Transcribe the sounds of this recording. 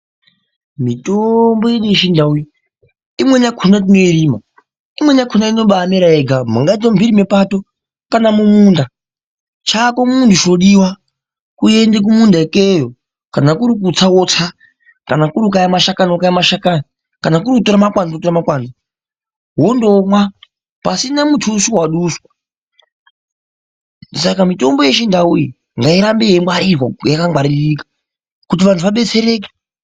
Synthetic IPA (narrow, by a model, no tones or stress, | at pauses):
mitombojeɗiʃindaui | imwɛɲakʰunat̬inoiɾiːma | imwɛɲakʰunainoɓamɛɾaeɡam̤ṵŋɡaitɔmbʱiɾimɛpato | kanamumuːnda | t͡ʃʰakomuntʰuʃoɗiwa | kujɛndɛk̬umundaekejɔ | kanakuɾik̬ut͡sʰawot͡sʰa | kanakuɾikajamaʃakanokajamaʃakana | kanakuɾikutoɾamakwand͡zotoɾamakwand͡zi | ɦondomwa | pasinamutʰuːsiwaɗuːswḁ | sakamitombojeʃindauji | ŋɡaiɾambeemwaɾizwa̰jakaŋɡwaɾiɾiːkḁ | kutiʋantʰuʋaɓet͡sʰeɾeːke̥